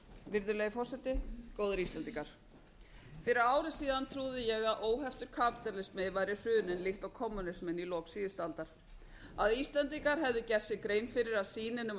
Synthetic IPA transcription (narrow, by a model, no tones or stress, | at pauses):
vɪɾðʏlejɣɪfɔr̥sɛt̪ɪkoːwðʏɾist̪lɛnt̪iŋkaɾ̥ | fɪɾɪɾaːwɾɪsiːðant̪ʰɾuːðɪjɛɣaðʔoːwɦɛft̪ʏɾ̥kʰaːpi̥t̪ɛɾlɪsmɪvajɾɪr̥ʏːnɪnlɪxt̪ɔwkʰɔmːʏnɪsmɪnilɔːksiðɪst̪alt̪aɾ̥ | aðist̪lɛnt̪iŋkaɾ̥ɦɛvðʏcɛr̥sɪkɾeːjnfɪɾɪɾaðsiːnɪnʏm